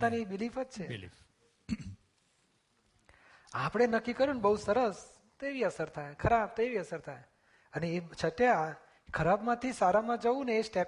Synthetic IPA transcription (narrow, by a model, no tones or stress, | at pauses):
t̪anibilifəd͡ʒt͡ʃʰḛ | apəɽ̃enəkːikəɾunbəɦusəɾəs | t̪oeʋiəsəɾt̪ʰajkʰəɾab̚t̪oeʋiəsəɾt̪ʰaj | əneːt͡ʃʰəʈja | kʰəɾabmãt̪ʰisaɾamãd͡ʒəʋũneːsʈɛ